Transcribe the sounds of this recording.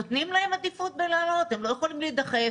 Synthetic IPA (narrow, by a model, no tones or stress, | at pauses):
ot̪nimlahemad̪ifut̪̚belaːlo̞t̪emlo̞jeχolimlid̪aχe